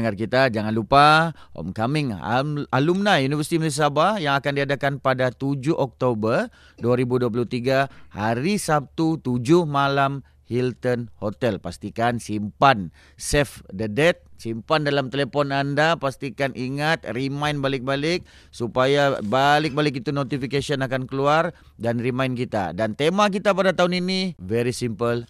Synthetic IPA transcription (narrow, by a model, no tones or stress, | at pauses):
ŋarkit̪ad͡ʒaŋanlupaɔ̰mkamɪŋ̰alumnajunivərsi̥t̪imus̬abahjaŋakandiadakanpadat̪ud͡ʒʊʔɔk̚t̪obər | duaɾibuduap̬uluht̪iɡahaɾisap̚t̪ut̪ud͡ʒʊhmalam | hilt̪ənhot̪ɛlpast̪ikansimpan | sɛfdədɛt̪̚simpandalamt̪elepɔnandapast̪ikaniŋat̪̚rimajnbalɪk̚balɪk̚ | supajabalɪk̚balɪk̬it̪unot̪ifikasiɔnakankəluar | danrimainkit̪a̰dant̪emak̬it̪apadat̪aɦuninivɛɾisimpəl